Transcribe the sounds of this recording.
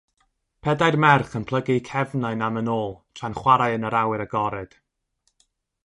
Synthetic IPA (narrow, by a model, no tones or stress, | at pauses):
pʰɛdajrmɛrχənpʰl̥ˠəɡɪkʰɛvnaɨnamənoːlˠtʰranχwaɾajənəɾawɪɾəɡɔɾɨd̥